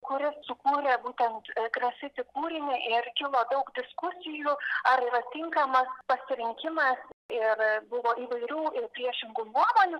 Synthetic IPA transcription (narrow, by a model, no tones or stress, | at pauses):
kʊɾʲɪssʊkuːɾʲeːbuːt̪ʲɛnt̪ɡɾɐsʲɪt̪ʲɪkuːɾʲɪnʲɪʔɪrkʲɪlˠoːd̪ɐʊkd̪ʲɪskʊsʲɪjuɐɾiːɾɐt̪ʲɪŋkɐmɐspɐsʲɪɾʲɪŋʲkʲɪmɐsɪrbʊʋoːʔiːʋɐɪɾʲuːɪrpʲɾʲiɛʃʲɪŋɡunuɔmoːnʲʊ